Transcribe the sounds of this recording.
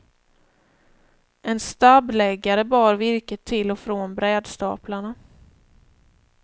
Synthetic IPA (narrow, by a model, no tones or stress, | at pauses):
ʔɛnst̪ablɛɡːaɾəbɑːɾvɪɾkət̪ʰːɪlːɔfɾoːnbɾɛːd̪st̪ɑ̰ːplaɳa